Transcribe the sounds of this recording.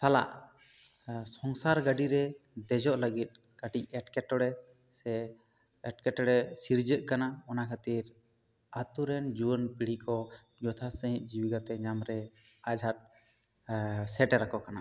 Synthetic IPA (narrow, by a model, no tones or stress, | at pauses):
t̪ala̰ʔ | sɔŋsaɾɡəɖiɾɛd̪ɛd͡ʒɔʔləɡit̪̚ˀ | kəʈicɛʈkɛʈɔɽɛ | sɛ | ɛʈkɛʈɔɽɛsiɾd͡ʒəʔkanaɔnakʰət̪iɾ | at̪uɾɛnd͡ʒuənpiɽ̤ikɔ | d͡ʒɔt̪ʰasəɦĩt̪̚ˀd͡ʒiwiɡat̪ɛɲamɾɛ | ad͡ʒʱat̪̚ | sɛʈɛɾakɔkana